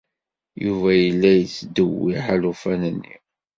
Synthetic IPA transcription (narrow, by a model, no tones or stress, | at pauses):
juvæjəlːæjt͡sːd̪əwiħalufænənːḭ